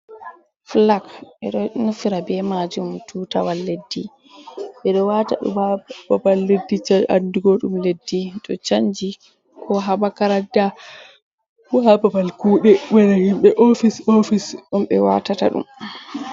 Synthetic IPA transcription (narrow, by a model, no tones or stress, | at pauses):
flakʔɛ̰ɗɔnufiɾabɛmad͡ʒumtʰuːtawalːedːi | ɓɛɗɔwataɗṵababalːedːit͡ʃaanduɡoɗumledːiɗɔt͡ʃaɲd͡ʒi | kʰɔɦaɓakaɾada | wababalkuːɗɛwɛnɛhimɓɛʔofisofisɗumɓɛwa̰tata̰ɗṵm